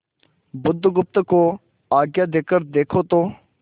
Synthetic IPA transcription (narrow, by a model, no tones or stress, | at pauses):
bʊd̪ʱɡʊp̚t̪koː | aːɡjaːd̪eːkəɾd̪eːkʰoːt̪oː